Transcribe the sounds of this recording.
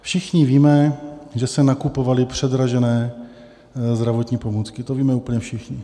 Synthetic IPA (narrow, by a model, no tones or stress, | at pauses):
fʃɪxɲɪviːmɛʒɛsɛnakupovalɪpr̝̥ɛd̪ɾaʒɛnɛː | zd̪ɾavot̪ɲiːpomuːt͡skɪt̪oviːmɛuːpl̩ɲɛfʃɪxɲɪ